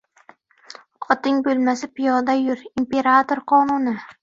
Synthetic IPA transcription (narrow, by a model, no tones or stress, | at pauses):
qʰɒt̪ɪŋbɵlmasɪpɪjɒd̪ajʊɾimpe̞ɾat̪oɾqʰɒnʊnɪ